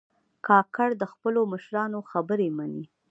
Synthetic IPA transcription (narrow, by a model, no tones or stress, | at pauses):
kɑkaɽd̪əxpəloməʃɾɑnoxabəɾemani